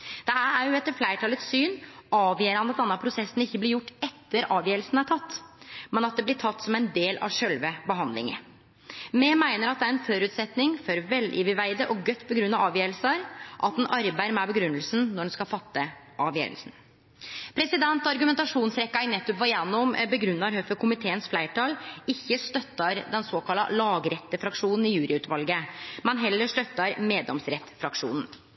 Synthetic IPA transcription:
d̪̥ɛæɾæɾjʊɛt̪ːəɾflæɪʈʰɑlət̪ssyːnɑːʋjəːəɾhɑnd̪ət̪d̪ɛnːɑpʰɾʊsɛsːnɪçːəblɪɾjʊʈːɛt̪ːəɾɑːʋjøːɾəlsn̩æʈʰɑt̪ːmɛnɑt̪̚d̪ɛblɪʈʰɑt̪ːsɔmæɪnd̪eːlʔɑ̰ʋʂœlʋəbəɦɑnd̪lɪ̰ŋə̰ | mɛːmæɪnəɾɑt̪̚d̪ɛæɾɛnfɔɾʉːt̪sɛt̪nɪŋfɔɾʋɛlʔɪ̰ːʋɪʋæɪd̪əʔɔɡœt̪ːpʰɔɡɾʉnːɑʋɑːʋjøːɾəlsəɾʔɑt̪̚d̪ɛnʔɑɾbæɪɾmɛbəɡɾʉnːəlsn̩nɔɖɛnskɑfɑt̪ːə | ʔɑʋjø̰ːɾə̰lsn̩ | pʰɾɛsɪd̪ɛnt̪ɑɾɡʉmɛnt̪ɑʂuːnsɾɛkːɑɪnɛt̪ːʊpʋɑjɛnːɔmbəɡɾʉnːɑɾhœfəkʰʊmɪt̪ʰeːənsflæɪʈʰɑlɪçːəʂt̪œt̪ːɑɾd̪ɛnsoːkɑlːɑ̰lɑːɡəɾɛt̪ːəfɾɑkʂuːnn̩ɪjʉːɾʔɪʉːt̪ʋɑlɡəmɛnɦɛlːəʂt̪œt̪ːɑɾmeːd̪ɔ̰msɾɛt̪ːfɾɑkʂṵːnn̩

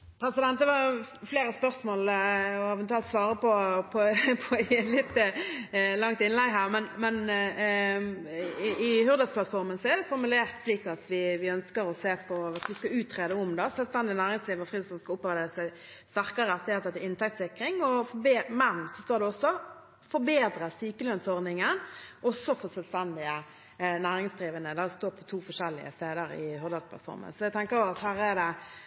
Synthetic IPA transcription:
pʰɾɛsɪd̪ɛnt̪̚d̪ɛʋɑfleːɾəspœɾsmoːlɔɛʋɛnt̪ʉɛlt̪sʋɑːɾəpʰɔpʰɔpʰɔlɪt̪ː | lɑŋt̪ɪnlɛɡɦæːʁmɛnmɛn | ɪhʉɾd̪əsplɑt̪fɔɾmənsɔɛɾd̪ɛfɔɾmʉleːʁt̪sliːkɑt̪ʋɪʋɪœnskəɾɔseːpʰɔɑt̪ʋɪskɑʉːt̪ʰːɾeːd̪ɛʊmd̪ɑsœlst̪ɛnd̪ɪnæːɾɪŋsliːʋəʁfʁiːsɔnskɑʊpːɑʋd̪eːəsæɪ | st̪æɾkəɾəɛt̪ːɪheːt̪əət̪ɪnt̪ʰɛkt̪sɪkɾɪŋɔfɔbeːmɛnsɔst̪oːɾd̪ɛɔsːɔ | fɔɾbeːd̪ɾəsyːkəlœnsɔɾnɪŋənʔɔsːɔfɔsɛlst̪ɛnd̪ɪə | næːɾɪŋsd̪ɾiːʋənəd̪æst̪oːɾpʰɔt̪ʰuːfɔʂɛlːɪ̰ə̰st̪eːd̪əɾɪ̰hʉɾd̪əspʰlɑ̰t̪fɔ̰ɾmə̰nsɔæɪɡt̪ʰɛŋkəɾjʊɑt̪hæːɾɛd̪ɛ

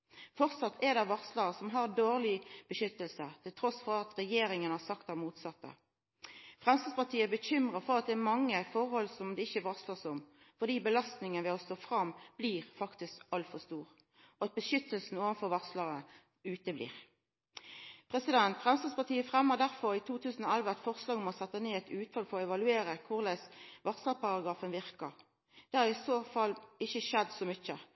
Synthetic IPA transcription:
fɔʁt̪sɑt̪ʰːɛd̪ɛʋɑʁsləɾəsɔmɦɑʁd̪oːʁlɪb̥əʃʏt̪ːəlsət̪ʰɪlt̪ʰɾɔsfɔʁɑt̪ʁɛjeːɾɪŋənɑsɑkt̪æʁmuːt̪sɑt̪ːə̰ | fʁɛmst̪ɑspɑʁt̪ʰiːəbəçʏmʁəfɔʁɑt̪̚d̪ɛːmɑŋːəfɔʁhɔlsɔmd̪ɛɪçəʋɑʁsləsʊm | fɔd̪iːbəlɑst̪nɪŋənʋɛɔst̪oːfʁɑmːb̥liːʁfɑkt̪ɪskɑlt̪fɔʁst̪uːʁ | ɔɑt̪̚bəʃʏt̪ːəlsn̩oːʋənfɔʁʋɑʁsləʁə | ʉːt̪əblḭːʁ | pʰʁɛsɪd̪ɛnt̪fʁɛmslɑspɑt̪ʰiːəfʁɛmːəʁd̪æʁfɔʁit̪ʰuːt̪ʰʉːsn̩ɔælʋəɑt̪fɔʁslɑːɡɔmɔsɛt̪ːəneːɛt̪ʉːt̪fɑlfɔʁɔɛʋɑlʉeːɾəkʰʊʁlæːsʋɑʁsləpɑʁɑɡʁɑːfənʋɪʁkɑʁ | d̪̥ɛhɑɾʁɪsoːfɑlːɪçəʃɛd̪ːsɔmʏçə

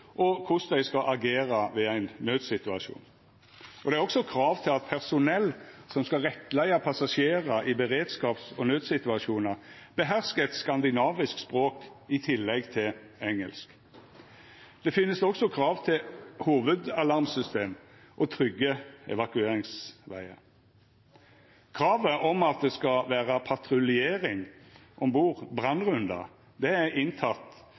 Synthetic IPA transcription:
ʔɔkʰʊsd̪æɪskɑʔɑɡeːɾɑʋɛːæɪnːøːd̪sɪt̪ʉɑʂṵːn | ʔɔd̪ɛæʁɔksɔkʰɾɑːʋt̪ʰɪlɑt̪̚pʰæʁsʊnɛlːsɔmskɑʁɛt̪ːlæɪɑpʰɑsɑʂeːʁɑʔɪbəʁeːd̪skɑːpsɔnøːd̪sɪt̪ʉɑʂuːnɑʁb̥əɦæʁskəɛt̪skɑnd̪ɪnɑːʋɪskspʁoːkɪt̪ʰɪlːɛɡt̪ʰɪl | ɛŋə̰lsk | d̪̥ɛfɪnːəsɔksɔkʰɾɑːʋt̪ʰɪlhuːʋəd̪ɑlɑʁmsʏst̪eːm | ʔɔt̪ʰɾʏɡːəɛ̰ʋɑkʉeːʁɪŋsʋæ̰ɪə̰ | kʰʁɑːʋəʔɔmɑt̪̚d̪ɛskɑʋæːʁɑpʰɑt̪ʁʊlɪeːʁɪŋʔɔmbuːʁbʁɑnʁʉnd̪ɑ̰ | d̪ɛæɪnt̪ʰɑt̪ː

